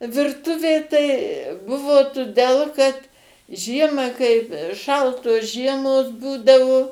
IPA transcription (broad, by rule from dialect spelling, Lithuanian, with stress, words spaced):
ʋʲɪrˈtʊʋʲeː tɐɪ ˈbʊʋoː tʊˈdʲɛlˠ kɐt ˈʒʲiɛmɑː kɐɪp ˈʃɐlˠtoːs ˈʒʲiɛmoːs ˈbuːdɐʋoː